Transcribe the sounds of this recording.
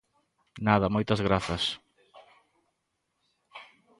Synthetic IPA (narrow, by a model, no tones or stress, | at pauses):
naðɐmojt̪ɐzɣɾaθɐs